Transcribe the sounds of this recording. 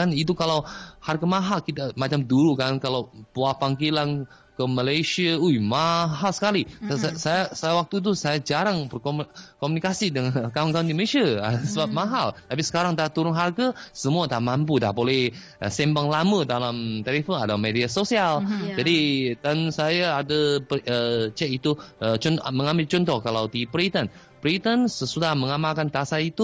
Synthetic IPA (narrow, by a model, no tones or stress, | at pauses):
anit̪̬ukalawharɡamaɦalkit̪amat͡ʃamduɾukankalawpuapaŋkilan | kəmalajsiaujmaɦalsə̥kalisajasajawak̚t̪ut̪̬usajad͡ʒaɾaŋbərkomkomunikasidəŋankaʊnkaʊndiməisiaəsəbap̚maɦalt̪ap̬isə̥kaɾaŋt̪at̪uɾʊnɦarɡasəmuat̪amampuda̰hbolɛh | ʔəsɛmbaŋlamə̃dalamt̪ɛlifonadamediasosiald͡ʒadidansajaːdəpət͡ʃɛkit̪uət͡ʃɔnmə̃ŋambɪlt͡ʃɔnt̪̬ɔhkalawdipɾit̪ən | pɾit̪ənsəsudahməŋamalkant̪asait̪u